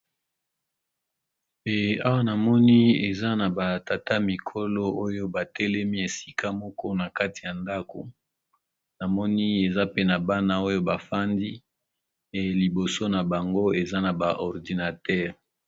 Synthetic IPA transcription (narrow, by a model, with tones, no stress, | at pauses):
e˨a˦wa˦na˨mɔ˦ni˦e˨za˦na˨ba˨ta˨ta˦mi˨kʰo˦lo˦o˦jo˦ba˨tɛ˦lɛ˦mi˦e˨si̥˦kʰa˦mɔ˦kɔ˦na˨ka˦ti˨ja˨nda˦ko˨ | na˨mɔ˦ni˦e˨za˦pe˦na˨ba˦na˦o˦jo˦ba˨fa˦ndi˦ | e˨li˨bo˨so˦na˨ba˨ŋɡo˦e˨za˦na˨ba˨ʔɔ˨ʁdi˨na˨tɛ˦ʁ